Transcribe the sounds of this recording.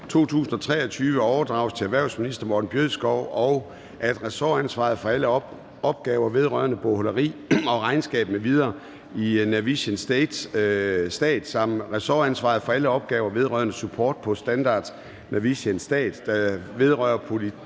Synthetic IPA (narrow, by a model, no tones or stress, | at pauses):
t͡sʰo̝̰ːt͡sʰṵːsn̩ɒ̽t͡sʰʁɛ̰ːɐt͡sʰyːʋəɒʊɐd̥ʁɑ̈ʊst͡sʰe̝æʋæɐ̰ʊsminisd̥ɐmɒːd̥n̩b̥jøðˠsɡ̥ɒʊ̰ʔɒʊ | ʔæd̥ʁɛsɒænsʋɑ̰̈ð̩ˠfɒ̽ælə | ɒ̽b̥̚ɡ̥ɛːʊɐʋe̝ð̞ˠʁɶɐnəb̥o̝holəʁḭːɒ̽ʁɑ̈ɪnsɡ̥ɛ̰ːb̥n̩əʋið̞ˠɐː | inæʋiɕənsd̥ed̥ssd̥ɛ̰ːd̥sɑ̈m̰ʁɛsɒːænsʋɑ̰̈ð̩ˠfɒ̽æləɒ̽b̥̚ɡ̥ɛːʊɐʋe̝ð̞ˠʁɶ̰ːɐnəsupʰɒ̰ːd̥̚pʰɒ̽sd̥ænd̥ɑ̰̈ːd̥ | næʋiɕənsd̥ɛ̰ːd̥ːɑʋe̝ð̞ˠʁœɐpʰo̝li